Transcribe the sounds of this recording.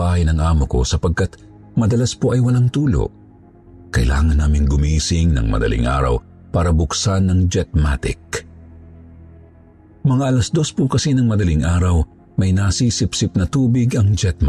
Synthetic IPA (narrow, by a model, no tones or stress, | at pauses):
aɪnɐŋʔaːmoko̞̰sɐpɐɡ̚kat̪ | mɐd̪ɐlaspoʔɐjwɐlaŋt̪uːlo̰ | kɐʔɪla̰ːŋɐnːaːmɪŋɡʊmiːsɪŋnɐ̰ŋmɐ̰d̪ɐ̰lḭŋʔa̰ːɾɐ̰w | paːɾɐbʊksanɐŋd͡ʒɛt̪̚mat̪ɪ̰k̚ | mɐŋaʔɐlɐsd̪o̞spʊkɐsinɐŋmɐd̪ɐliŋʔaːɾɐw | mɐjnaːsiːsɪpsɪp̚nɐt̪uːbɪɡɐŋd͡ʒɛt̪̚m